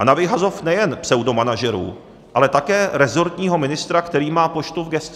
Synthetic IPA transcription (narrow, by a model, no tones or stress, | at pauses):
anavɪɦazofnɛjɛnpsɛwdo̞manaʒɛɾṵː | ʔalɛt̪akɛːɾɛzo̞ɾt̪ɲiːɦo̞mɪnɪst̪ɾakt̪ɛɾiːmaːpot͡ʃt̪uvɡɛst̪